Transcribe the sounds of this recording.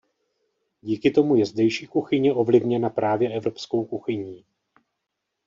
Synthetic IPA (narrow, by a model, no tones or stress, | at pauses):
ɟiːkɪt̪o̞mujɛzdɛjʃiːkuxɪɲɛʔo̞vlɪvɲɛnapɾaːvjɛʔɛvɾo̞psko̞wkuxɪɲiː